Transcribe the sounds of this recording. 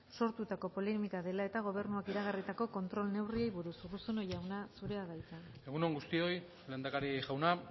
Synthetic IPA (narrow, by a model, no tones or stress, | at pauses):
so̞ɾt̪ut̪ako̞po̞lemikaðe̞lae̞t̪aɣ̞o̞β̞e̞ɾnuakiɾaɣarit̪ako̞ko̞nt̪ɾo̞lne̞wrie̞jβuɾusɣusuno̞jawnasuɾe̞aɣajt͡sae̞ɣunoŋɡust̪io̞j | lend̪akaɾiʝawna